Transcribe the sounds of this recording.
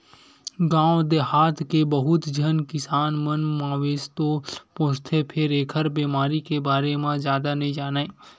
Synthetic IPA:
ɡãːod̪ehaːt̪ʰkebəɦʊt̪d͡ʒʱənkɪsaːnmənmãːʋeːst̪opõːst̪ʰepʰɪɾeːkʰəɾbeːmaːɾikebaːɾemãzjaːd̪anəĩd͡ʒaːnaːẽː

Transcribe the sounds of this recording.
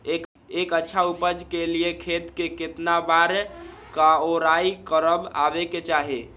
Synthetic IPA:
ek | ekətːʃʰaupəd͡ʒkeliekʰet̪keket̪nabaɾ | kaoɾaikəɾəba̰beket͡ʃaɦe

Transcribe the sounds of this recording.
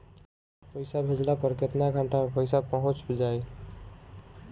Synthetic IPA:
pəjsabʱed͡ʒlapəɾket̪naɡʱaɳʈamepəjsapəɦʊ̃t͡ʃbʱid͡ʒaj

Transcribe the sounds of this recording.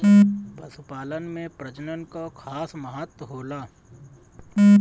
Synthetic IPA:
pɐsʊpaːlənmẽpɾəd͡ʒnənkokʰaːsməɦət̪wəɦoːlaː

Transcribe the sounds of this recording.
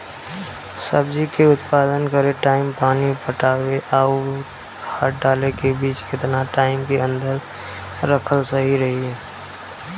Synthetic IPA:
səbd͡ʒikeʊt̪paːd̪ənkəɾeʈaːɪmpaːnipəʈaːweʔaːu | haːʈ̚ʰɖaːlekebiːt͡ʃɪt̪naʈaːɪmkeə̃nd̪əɾ | ɾəkʰəlsəɦiɾɐɦiɛː

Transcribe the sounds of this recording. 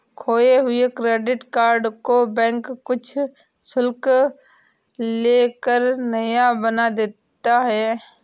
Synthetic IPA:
kʰoːeɦʊekɾeːɖɪʈkaːɾɖkobɛ̃ːŋkːʊt͡ʃʰsʊlk | leːkəɾnəjabənad̪eːt̪aɦɛː

